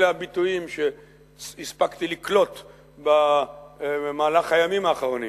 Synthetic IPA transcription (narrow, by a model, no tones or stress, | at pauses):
labit̪ujimʃe | ispakt̪iliklo̞t̪ | ba | maːlaχajamimaːχaʁo̞ni